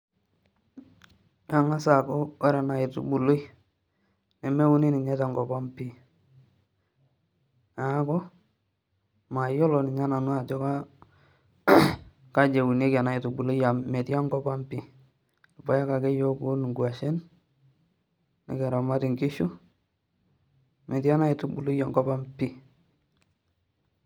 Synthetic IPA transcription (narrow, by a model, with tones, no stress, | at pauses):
ja˨ŋa˦sa˨kɔ˦wa˦ɾa˨na˨ɪ˨tṵ˨bu˨lo˦j | nɛ˨me˦u˦ni˦ni˨ɲɛ˦ta˨ŋɡɔ˨pa˦mpi˦˨ | a˨˦kɔ˦ | ma˨jɔ˦lɔ˨nɪ˨ɲa˦na˨nʊ˦a˨tɔ˦ka˦ | ka˦d͡ʒe˨wu˨ne˦ka˨na˦i˨tu˨bu˨lo˦ja˨mɛ˨tja˦ŋɡɔ˦pa˦mpi˦ | lpa˨ja˦ka˨kɛ˦jɔ˦ku˦n˨ŋɡwa˨ʃe˦n | nɛ̰˨kɛ˨ɾa˨ma˦tɪ˨ŋɡɪ˦ʃu˦ | mɛ˨tja˦na˦i˨tu˦bu˨lu˦ja˨ŋɡɔ˦pa˦mpi˦